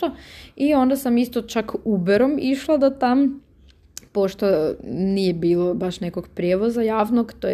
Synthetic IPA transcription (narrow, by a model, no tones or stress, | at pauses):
oio̞nd̪asamist̪ot͡ʃakubeɾomiʃlˠad̪at̪am | poʃt̪onijebiːlˠobaʃnekoɡpɾjeːʋozajaːʋnoɡt̪oj